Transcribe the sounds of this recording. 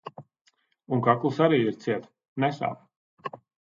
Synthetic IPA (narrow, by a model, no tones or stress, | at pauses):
uŋkaklˠɨsaɾiːiɾt̪siɛt̪ | nɛsa̰ːp